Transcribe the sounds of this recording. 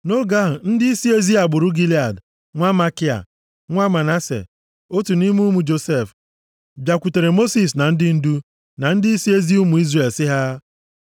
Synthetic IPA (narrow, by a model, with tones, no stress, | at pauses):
no˦ɡa˦ɦ̩˨n̩˦dɪ˦i˦si˦e˦zi˦a˨ɡ͡bʊ˨ɾʊ˦ɡi˦li˦a˨d | ŋʷa˦ma˦ki˦a̰˨ | ŋʷa˦ma˨na˦sḛ˨ | o˦tu˨ni˦mu˦mu˨d͡ʒo˨se˦˨f | bja˨kʷu˨te˨ɾe˨mo˦si˨s̬na˨n̩˦dɪ˦n̩˦du˦ | na˨n̩˦dɪ˦i˦si˦e˦zi˦u˦mu˨i˦zre˨lsɪ˦ɦa˦